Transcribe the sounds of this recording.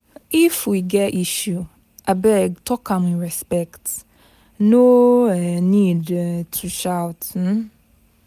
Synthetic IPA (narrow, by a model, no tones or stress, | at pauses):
ifwiɡɛɾiʃju | ʔabɛɡ̚tʰɔkʰãmĩɹɛspɛkt | no | nidtʰuʃaʊwt̩